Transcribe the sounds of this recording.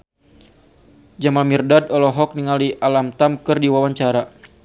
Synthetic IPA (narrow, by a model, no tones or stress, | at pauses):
d͡ʒamalmirdadɔlɔɦɔk̚niŋaliʔalamt̪amkɨrdiwawaɲt͡ʃaɾa